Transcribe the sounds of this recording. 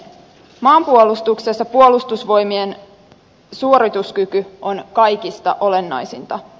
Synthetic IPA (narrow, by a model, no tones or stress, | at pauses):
mɑːmpuolust̪uksesːɑpuo̞lust̪usʋo̞jmien | suoɾit̪uskykyʔo̞nkɑjkist̪ɑʔo̞le̞nːɑ̰jsint̪ɑ